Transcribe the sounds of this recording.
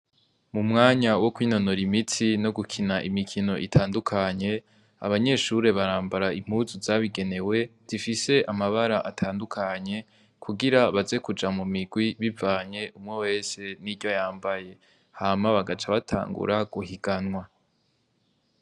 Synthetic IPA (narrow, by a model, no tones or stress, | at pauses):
mumŋaːɲawo̞kwiːno̞no̞ɾimitino̞ɡukʰinaʔimikʰino̞ʔitʰaːndukʰaɲe̞ | a̰βaɲe̞ːʃuɾe̞βaɾaːmbaɾaim̥uzuzaβiɡe̞ne̞we̞z̥ifise̞ʔamaβaɾaʔatʰaːndukʰaɲe̞ | kʰuɡiɾaβaze̞kud͡ʒamumiɡwiβivaːɲe̞ʔumŋewe̞ːse̞niɾɟojaːmbaje̞ | hamaβaɡat͡ʃaβatʰa̰ːŋɡṵɾaɡ̥uhiɡ̥anwa